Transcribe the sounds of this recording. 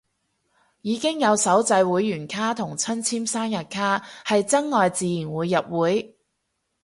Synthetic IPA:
jiː˨˧kɪ˥ŋjɐ˨˧wsɐ˨˥wt͡sɐ˧jwuː˨˥jːyː˨˩nkʰaː˥t̪ʰʊ˨˩ŋt͡sʰɐ˥nt͡sʰiː˥msaː˥njɐ˨t̚kʰaː˥hɐ˨jt͡sɐ˥ŋːɔː˨jt͡siː˨˧jiː˨˩nwuː˨˧jːɐ˨p̚wuː˨˥j

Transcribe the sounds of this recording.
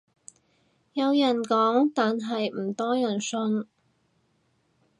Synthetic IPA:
jɐ˨˧wjɐ˨˩nkɔː˨˥ŋt̪aː˨nɦɐ˨jm̩˨˩t̪ɔː˥jɐ˨˩nsɵ˧n

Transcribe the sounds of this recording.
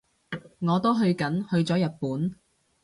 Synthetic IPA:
ŋɔː˨˧t̪o˥wɦɵ˧ɥkɐ˨˥nhɵ˧ɥt͡sɔː˨˥jɐ˨t̚puː˨˥n

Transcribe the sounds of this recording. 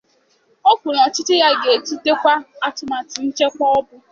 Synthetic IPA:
o˦kʷu˨ɾɔ˨t͡ʃɪ˦tɪ˦ja˦ɡe˨e˨tu˦te˦kʷa˦a˦tʊ˨ma˨tɪ˨n̩˦t͡ʃe˦kʷɔ˦ɔ˦bʊ˦

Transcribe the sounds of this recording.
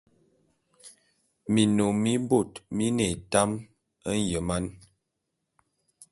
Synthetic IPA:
mi˨no˨mi˦bo˦˨tmi˦ne˨ta˦m | ə˦n˦jə˨ma˦n

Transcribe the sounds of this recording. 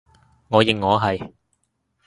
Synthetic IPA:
ŋɔː˨˧jɪ˨˩ŋːɔː˨˧ɦɐ˨j

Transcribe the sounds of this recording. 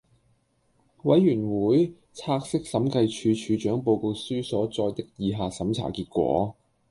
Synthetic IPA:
wɐ˨˥jːyː˨˩nwuː˨˥j | t͡sʰaː˧k̚sɪ˥k̚sɐ˨˥mkɐ˧jt͡ʃʰyː˨˧t͡ʃʰyː˨˧t͡ʃœː˨˥ŋpo˧wko˧wsyː˥sɔː˨˥t͡sɔː˧jt̪ɪ˥˧k̚jiː˧ɦaː˧sɐ˨˥mt͡sʰa̰ː˨˩kiː˧t̚kʷɔ̰ː˨˥

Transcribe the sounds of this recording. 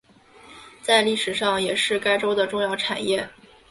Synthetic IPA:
t͡sa˥˧ɪli˥˩ʂɻ̩˨˩ʂɑ˥˩ŋjɛ˨˩ʂɻ̩˥˩ka˥ɪʈ͡ʂo˥ʊd̪ə˨ʈ͡ʂʊ˥˧ŋjɑ˥˩ʊʈ͡ʂʰa̰˨˩njɛ˥˩

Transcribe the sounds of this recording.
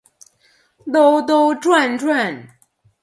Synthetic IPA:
t̪o˥ʊt̪̬o˥ʊʈ͡ʂwa˥˧nʈ͡ʂwa˥˧n

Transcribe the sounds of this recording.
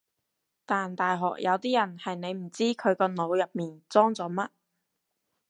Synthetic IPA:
t̪aː˨nt̪aː˨jɦɔː˨k̚jɐ˨˧wt̪iː˥jɐ˨˩nhɐ˨jne˨˧jm̩˨˩t͡siː˥kʰɵ˨˧ɥkɔː˧no˨˧wjɐ˨p̚miː˨nt͡sɔː˥ŋt͡sɔː˨˧mɐ˥t̚

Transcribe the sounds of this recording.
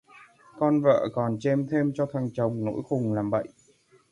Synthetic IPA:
kɔ˧nvə̰ː˧˨kɔ˨˩nt͡ɕe˧mt̪ʰe˧mt͡ɕɔ˧t̪ʰa˨˩ŋt͡ɕə˨˩wŋ͡mno̰˧˥jxʊ˨˩ŋ͡mlaː˨˩mɓə̰˧˨jʔ

